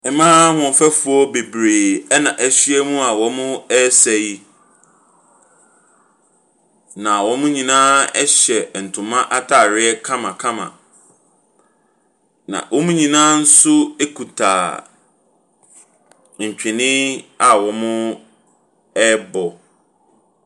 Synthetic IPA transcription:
ɛ˨mã˦hɔ̃˨fæ˦fu˨ɔ˦be˨bɾeː˨ɛ˦nã˨ʔæ˦ɕi˦ɛ˦mũ˦a˨wɔ˨mʊ̃˦ɛ˦sɛ˨ji˦ | nã˨wɔ̃˦mʊ̃˦ɲĩ˨nãː˦ɛ˦ɕɛ˨n̩˨tʰʊ̃˨mã˦ʔa˦tʰa˨ɾɪ˦ɛ˦kʰã˦mã˨kʰã˦mã̰˨ | nã̰˨wʔɔ˦mũ˦ɲĩ˨nãː˦n̩˦sʊ˦e˦kʰu˨tʰa̰ː˨ | ɲ̩˨t͡ɕᶣʰɪ̃˨nɪ̃˦a˨wɔ̃˨mʊ̃˦ | ɛ˦bɔ˨

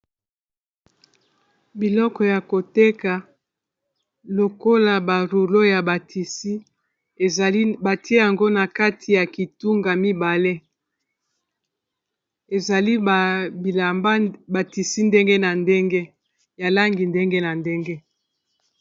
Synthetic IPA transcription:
bi˨lɔ˦kɔ˨ja˨ko˨te˦ka˨ | lo˨ko˦la˨ba˨ɾu˨lo˦ja˨ba˨ti˨si˦˨˦ | ba˨ti˦e˦ja˨ŋɡo˦na˨ka˦tʰi˨ja˨ki˨tu˦ŋɡa˨mi˦ba˨le˦ | e˨za˨li˦˨bi˨a˨mba˦ba˨ti˨si˦nde˦ŋɡe˦na˨nde˦ŋɡe˦ | ja˨la˦ŋɡi˨nde˦ŋɡe˦na˨nde˦ŋɡe˦

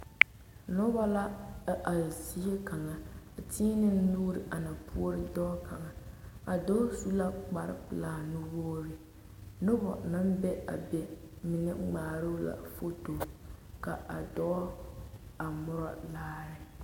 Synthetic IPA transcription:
nɔ˦ba˦la˦ʔa˨zi˦e˦ka˨ŋa˨tʰiː˦nɨ˦n˦nuː˦ɾɪ˨ʔa˨na˨pu˦o˦ɾɨ˦dɔː˦kʰa˨ŋa˨a˨dɔ˦su˦la˦k͡pa˨ɾɪ̰˦pɨ˨laː˨˦nu˦boː˦ɾɪ˨ | nɔ˦bɔ̰˨na˦m˦bɛ˦a̰˨bɛ˨ | mɪ˨nɛ˦ɡ͡baː˨ɾʊ˦la̰˨fo˦toː˨ka˨a˨dɔ˦ | a˨mʊ˦ɾɔ̰˦laː˦ɾɪ˨

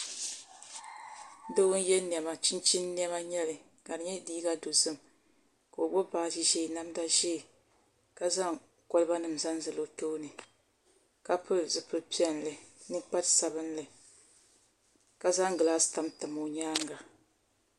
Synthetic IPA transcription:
do˦wʊ˦n˦jɛ˦ni˨ɛ˨ma˨t͡ʃi˦nt͡ʃi˦nː˦ɛ˦ma˦ɲɛ˦lɨ˨ | ka˨ɾɨ˨ɲɛ˦diː˦ɡa˦do˨zɨ˦m | ka˨o˨bɔ˦baː˨ʃi˦ʒɛ˦˨na˦mda˦ʒɛ˦˨ | ka˦za˦ŋ | kɔ˦lɨ˦ba˦nɨ˨m˨za˦nzɨ˨lo˦toː˦nɨ˨ | ka˦pʰʊ˦lzɨ˨pɨ˦ɾpi˦ɛ˨nlɨ˨nɨ˦k͡pa˦tsa˨βɨ˦nlɨ˨ | ka˦za˦ŋ˦ɡɨ˨laː˦sta˦mtɨ˨mo˨ɲaː˦ŋɡa˨

